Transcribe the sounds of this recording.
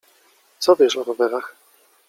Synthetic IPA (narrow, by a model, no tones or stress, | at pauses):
t̪sɔvʲjɛʂɔɾɔvɛɾax